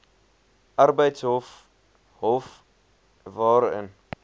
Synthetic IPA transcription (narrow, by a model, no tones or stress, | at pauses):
ʔɐrbəjtsɦof | ɦof | vɑːɾə̰n